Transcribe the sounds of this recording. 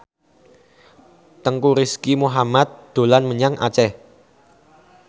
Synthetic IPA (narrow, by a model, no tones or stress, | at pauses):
t̪əŋkuɾiskimuɦamat̪̚d̪̥o̤lanməɲaŋʔa̰t͡ʃɛ